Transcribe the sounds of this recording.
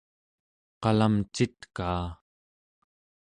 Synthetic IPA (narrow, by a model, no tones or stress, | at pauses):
qɑlamt͡ʃit̪kaː